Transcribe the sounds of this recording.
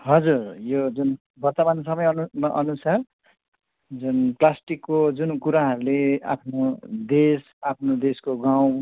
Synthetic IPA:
ɦʌd͡zurjod͡zun | bʌrt̪ʌmansʌmʌjʌnumaʔʌnusar | d͡zunplasʈikːod͡zunkuɾaɦʌɾulea̰pʰnod̪es | apʰnod̪eskoɡaw̃

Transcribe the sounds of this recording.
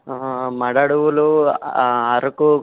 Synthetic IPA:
mɐɽaɽuʋulu | ɐɾɐku

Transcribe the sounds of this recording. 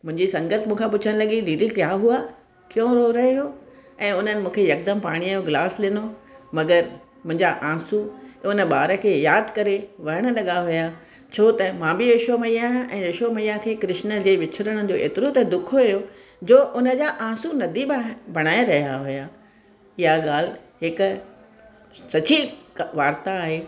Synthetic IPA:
mʊ̃ɦɪ̃ɲd͡ʑisɐ̃ŋɡət̪ʰmũːkʰãp̬ʊt͡ɕʰəɽ̃lɐɠiɾiːlikjaːɦua | kɪjõɾoɾɐɦɦoːɛ̃ːʊn̤ənɪ̆mũːkʰejɐk̚d̪əmpaːɽ̃iajoɡlaːsɗɪnomɐɡəɾ | mʊ̃ɦɪ̃ɲd͡ʑaʔãːsuʊnə̆ɓaːɾə̆kʰeːjaːd̪kɐɾeʋɐɾəɽ̃ə̆lɐɠaɦʊja | t͡ɕʰoːt̪ɐmãːbɪeʃomɐijãːʔɛ̃ːeʃomɐijãkʰeːkɾɪʃnəd͡ʑeːʋɪt͡ɕʰɪɾəɽ̃əd͡ʑoːʔḛːt̪ɪɾot̪ed̪ʊkʰoɐɦjo | d͡ʑoːʔʊnə̆d͡ʑaʔãːsunɐd̪ʱibbɐɽ̃aːeɾɐɦijaɦʊjaː | ɪɦaɠaːl̤ɦɪk | sɐt͡ɕiʋaːɾt̪aːɦeː

